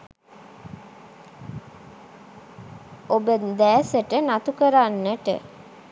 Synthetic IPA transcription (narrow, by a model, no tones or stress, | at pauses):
obəd̪æːsəʈənat̪ukəɾanːəʈə̰